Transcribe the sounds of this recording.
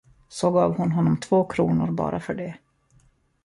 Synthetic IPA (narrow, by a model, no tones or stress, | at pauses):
sɔɡɑːvhʊnɦɔnːɔmt̪ʰvoːkʰɾuːnʊɾbɑ̰ːɾʔafœɖɛ